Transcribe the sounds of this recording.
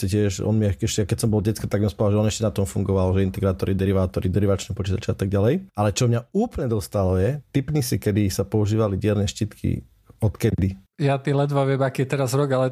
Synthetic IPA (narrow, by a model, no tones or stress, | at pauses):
sɛcɪɛʒɔ̰nmiɛɛʃɛakɛcsɔmbɔlɟɛt͡skɔt̪aɡmiɔspɾaʋalʒɛɔnɛʃcɛnat̪ɔmfuŋɡɔʋalʒɛint̪ɛɡɾaːt̪ɔɾid̪ɛɾiʋaːt̪ɔɾid̪ɛɾiʋat͡ʃnɛpɔt͡ʃit̪at͡ʃɛat̪aɡ̚ɟalɛjʔalɛt͡ʃɔmɲauːplɲɛd̪ɔst̪alɔjɛt̪ipnisikɛd̪isapɔuʒiːʋaliɟɪɛɾnɛʃcit̪kʰḭ | ɔt̪kɛd̪ijat̪ilɛd̪ʋaʋɪɛmakiːjɛt̪ɛɾazɾɔɡalɛ